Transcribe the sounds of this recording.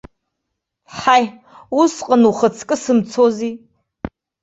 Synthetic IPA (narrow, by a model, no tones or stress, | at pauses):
ħaj | usqʼənuχɐt͡sʰkʼɨsɨmt͡sʰoːziː